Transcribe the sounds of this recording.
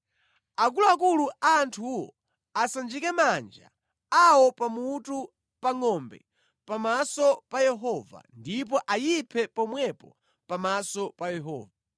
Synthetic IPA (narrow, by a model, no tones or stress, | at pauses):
ak̬uluakuluantʰuwɔ̰ | asand͡ʒikɛmand͡ʒa̰ | awɔpamutu | paŋɔmbɛ̰ | pamasɔpajɛɦɔva̰ndip̬ɔʔajipʰɛpɔmwɛpɔ | pamasɔpajɛɦɔ̰ːva